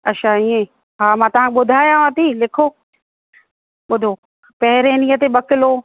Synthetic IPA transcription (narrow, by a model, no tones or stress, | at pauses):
ɐʃʰaiːẽ | ɦaːmãːt̪ɐʋ̤ãŋkeɓʊd̪ʱaːjãɦət̪iːlɪkʰoː | ɓʊd̪ʱo | pɐɦɪɾeniːət̪eɓɐkɪloː